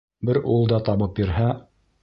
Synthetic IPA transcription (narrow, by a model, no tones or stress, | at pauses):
bɘɾulˠd̪ɑt̪ɑβɤpjɵ̆ɾɦæ